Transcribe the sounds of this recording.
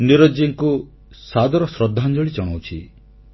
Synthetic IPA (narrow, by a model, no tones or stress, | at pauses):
niɾɔd͡ʒiŋku | sad̪ɔɾɔsɾɔd̪ʱːand͡ʒɔɭid͡ʒɔɽ̃awt͡ʃʰi